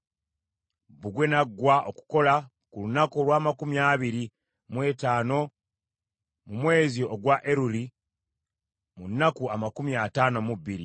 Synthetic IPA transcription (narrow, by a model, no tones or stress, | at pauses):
buɡwe̞naɡːwaʔoku̥ko̞la | kulunako̞lwaːmakumjaβiɾi | mwe̞ːtaːno̞ | mumwe̞ːzioɡwaʔeɾuli | munːakuamakumiataːno̞muβiɾḭ